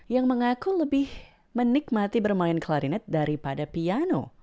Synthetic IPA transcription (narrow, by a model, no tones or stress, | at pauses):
jaŋməŋakuləbɪh | mənik̚mat̪ibərmaɪnkəlaɾinɛt̪̚daɾipadapiano̰